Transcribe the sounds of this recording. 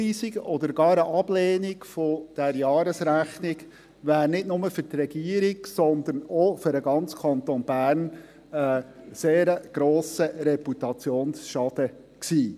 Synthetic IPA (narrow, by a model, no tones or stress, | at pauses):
iːsiɡɔd̪əɾɡɑːɾəʔɑb̥leːnɪɡfɔd̪̥æɾjɑːɾəsɾæχnɪɡ | ʋæːɾnɪdnʊməfʏɾt̪rɛɡ̥iːəɾiɡsɔnd̪ənofʏɾəɡɑnt͡skʰɑnt̪onbæːrn | əseːɾəɡ̥ɾoːsəɾɛput̪ɑt͡sjoːnsʃɑd̪̥ə | ksiː